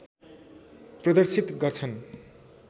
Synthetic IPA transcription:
prʌd̪ʌrsit̪ɡʌrt͡sʰʌn

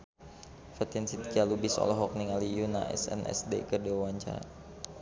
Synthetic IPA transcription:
fat̪insit̪̚kialubisɔ̰lɔɦɔk̚niŋalijuna̰ʔɛ̰sɛ̰nʔɛ̰sdḛkədewawaɲt͡ʃa̰

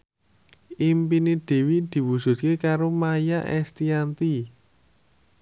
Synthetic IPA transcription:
ʔimpineɖ̥e̤wid̪̥i̤wusʊ̤t̪̚kekaɾomajaʔɛst̪iant̪i

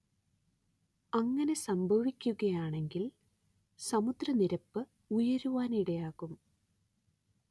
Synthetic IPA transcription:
ɐŋːɐne̞sɐmbʱɐʋikʲːuɣɐjaːɳe̞ŋɡil | sɐmud̪rɐniɾɐpːɨ | ujɐɾuʋaːniɽɐjaːɣum

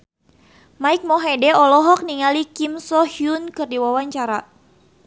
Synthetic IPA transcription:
maik̚mɔɦɛdɛɔlɔɦɔk̚niŋalikimsɔhiunkɨrdiwawaɲt͡ʃaɾa

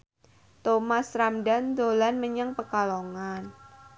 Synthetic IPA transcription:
t̪omasɾamdand̪olanməɲaŋpəkaloŋan

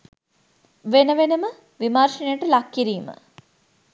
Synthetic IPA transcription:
ʋenəʋenəmə | ʋimarʂinejəʈəlakːiɾiːmə̰

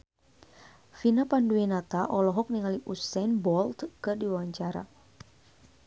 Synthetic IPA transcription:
finapanduinat̪aʔɔlɔɦɔk̚niŋaliʔusɛnbɔlt̪kɨrdiwawaɲt͡ʃaɾa̰

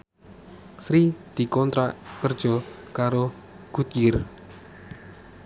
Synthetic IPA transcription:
sɾid̪̥i̤kɔnt̪ɾaʔkərd̥ʒ̥ɔ̤kaɾo | ɡ̥ṳt̪̚jɪr

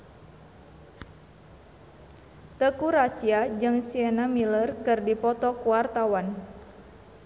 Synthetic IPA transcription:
t̪əkuɾasiad͡ʒɨŋsiɛnamilərkɨrdipɔt̪ɔkuwart̪awan

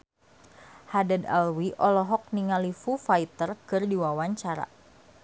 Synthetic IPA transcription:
hadəda̰lwiʔɔlɔɦɔk̚niŋalifufait̪ərkɨrdiwawaɲt͡ʃaɾa̰

